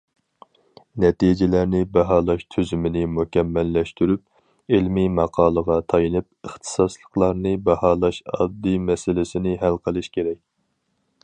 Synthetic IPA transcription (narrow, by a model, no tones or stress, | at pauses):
nɛt̪id͡ʒɪlæɾnɪbɛɦɑːlˠɑʃt̪ʰyzymɪnɪmukʲɛmːɛlːɛʃt̪yɾyp̚ | ilmimɑqʰɑːlˠəʁɑt̪ʰɑjɨnɨp̚əχt̪ʰɨ̥sɑslˠəqlˠɑɾnɨbɛhɑːlˠɑʃɑ̰d̪ːɨmɛsɪlɪsɪnɪɦælqʰəlˠɨʃkʲeɾɛkʲ